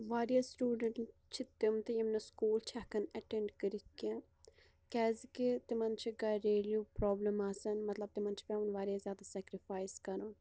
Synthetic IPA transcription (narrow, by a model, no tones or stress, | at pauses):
ʋaːɾijasʈuːɖəɳt͡ʃʰit̪ɪmt̪ijɐmnɐskuːlt͡ʃʰaːkɐnɐʈeɳɖkəɾikːẽ | kɛːzket̪imɐnt͡ʃʰiɡɐɾeːljuːpɾɔːblɐmasɐnmɐt̪lɐb̚t̪imɐnt͡ʃʰi̥pʲãunʋaːɾijazjaːd̪asɛːkɾifaːjskɐɾun